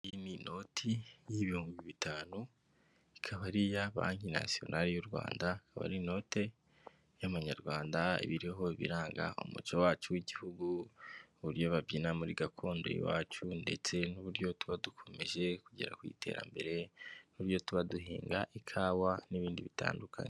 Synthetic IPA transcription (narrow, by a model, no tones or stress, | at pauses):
jinino̞tʰijiβihuːmɡiβitʰaːnu | ikʰaβaɾijaβa̰ːɲina̰sio̞̰nʔaɾijoɾɡwa̰ːndaikaβa̰ɾino̞te̞ | jaβaɲaɾɡwaːndaḭβiɾiɦo̞iβḭɾaːŋɡa̰o̰mṵt͡ʃowaːt͡ʃuwiɟihuɡuβuɾjo̞βabɟinamuɾiɡakʰo̞ːndo̰ḭwa̰ːt͡ʃunde̞̰t͡se̞nuβuɾjo̞tuβadukʰo̞me̞ʒe̞kuɟḛɾa̰kwḭːtʰe̞̰ːɾa̰mbe̞ɾe̞nuuɾjo̞tuβaduɦḭːŋɡa̰ʔikʰaːwaniβiːndiβita̰ːndukʰane